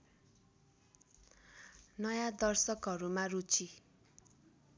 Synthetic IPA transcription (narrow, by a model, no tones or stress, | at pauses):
nʌjad̪ʌrsʌkɦʌɾumarut͡sʰi